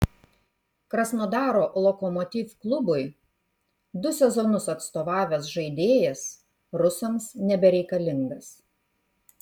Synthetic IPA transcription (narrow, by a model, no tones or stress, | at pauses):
kɾɐsnoːd̪ɑːɾoːlˠɔkɔmɔt̪ʲiːfklˠʊbʊɪ | d̪ʊsʲɛzɔnʊsɐt̪st̪oːʋɑːʋʲɛsʒɐɪd̪ʲeːjɛs | ɾʊsɐmsnʲɛbʲɛɾʲɛɪkɐlʲɪŋɡɐs